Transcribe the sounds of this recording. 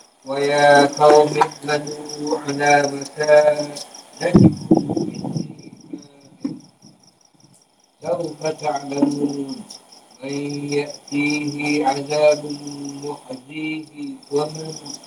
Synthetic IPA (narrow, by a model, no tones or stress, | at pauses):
wajaːqɑwmɪħmad̪ʕalaːmakaːnanat̪ɪkʊmɪnːɪmaːlɪn | sawfat̪aʕlamuːnʔanjaʔt̪iːɦɪʕaðaːbʊmʊħadiːhwamɪhʊ